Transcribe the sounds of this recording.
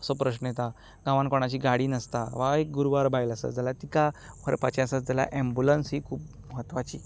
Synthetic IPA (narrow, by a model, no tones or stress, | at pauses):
əsɔpɾəɕnet̪a | ɡãʋankoɳ̃at͡ɕiːɡaɽiːnəst̪aʋaek̚ɡuɾuʋaɾbʱajləsə̰d͡zalat̪ikapʰəɾpat͡ɕãsət͡sd͡zala̰ʔẽmbulənsɦiːkʰuːp̚ | məɦət̪ʋat͡ɕḭː